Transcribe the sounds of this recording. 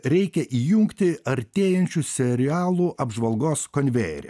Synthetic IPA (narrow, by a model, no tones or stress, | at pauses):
ɾʲɛɪkʲɛʔiːjuŋkt̪ʲɪɐɾʲt̪ʲeːjɛnʲt͡ʃʲuːsʲɛɾʲɪæːlˠuʔɐbʒʋɐlˠɡoːskonʲʋʲḛːɾʲɛ̰